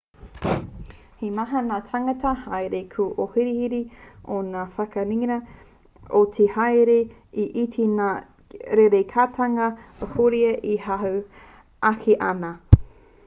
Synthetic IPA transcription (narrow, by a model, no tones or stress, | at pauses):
himaɦɐnaːtʰaŋɐtɐhajɾekʰuʔohiɾihiɾionaːfɐkɐɾiŋɾɐ | otʰehajɾe | iʔitʰina | ɾeɾekʰaːtʰɐŋɐəhoɾiɐʔihaɦo | ʔakʰiʔɐnɐ